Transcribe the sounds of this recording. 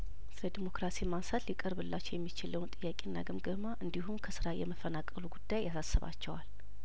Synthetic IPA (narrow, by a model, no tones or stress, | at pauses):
sɨɾəd̪imo̞kɾasimansat̪likʼəɾβɨlːat͡ʃːɛwjɛmːit͡ʃɪləwnt̪ʼɨjːakʼinːa̰ɡɨmɡəmaʔɨnd̪ihumkʰəsɨɾajɛməfənakʼːəluɡud̪̥ːajːasasːəβa̰t͡ʃːɛwal